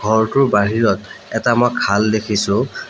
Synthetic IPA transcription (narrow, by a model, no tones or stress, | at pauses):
ɡʱɔɹtʊɹbaɦiɹɔtɛtamɔjkʰaldekʰisʊ̃